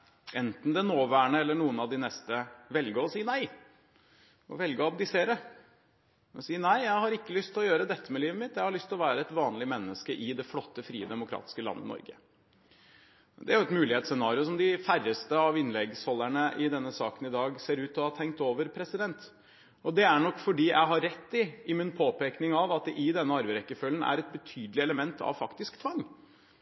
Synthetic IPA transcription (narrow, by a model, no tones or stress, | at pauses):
ɛnt̪n̩d̪ɛnoːʋæːɳəɛlːəɳuːənɑʋd̪ɪnɛst̪əʋɛlɡəɔsiːənæɪ | ʔɔ̰ʋɛlɡəɑb̚d̪ɪseːɾə | siːənæɪjæɪhɑɾɪkːəlʏst̪ʰɪlɔjøːɾəd̪ɛt̪ʰːəmɛliːʋəmɪt̪jæɪhɑɭʏst̪ʰɪlɔʋæːɾəɛt̪ʋɑːnlɪmɛnːəskəʔɪd̪ɛflɔt̪ːəfɾiːəd̪ɛmʊkʰɾɑ̰ːt̪ɪ̥skəlɑ̰nːə̰nɔ̰ɾɡə̰ | d̪ɛ̰æɾjʊɛt̪mʉːlɪheːt̪sɛnɑːɾɪʊs̬ɔmd̪ɪfærːəst̪əɑʋɪnːlɛɡshɔlːæɳəʔɪd̪ɛnːəsɑ̰ːkənɪd̪ɑːɡseːɾʉːt̪ɔhɑt̪ʰɛŋk̚t̪oːʋəɾpʰɾɛsɪd̪ɛnt̪ | ɔd̪ɛæɳɔkːfɔɖiːjʔæ̰ɪɦɑɾɛt̪ːɪɪmɪnpʰoːpeːknɪŋɑʋɑt̪̚d̪ɛʔɪd̪ɛnːəɑɾbəɾɛkːəfœlːənæ̰ɾɛt̪̚bət̪ʰyːd̪əlɪɛləmɛnt̪ʰɑ̰ʋfɑkt̪ɪskt̪ʰʋɑŋː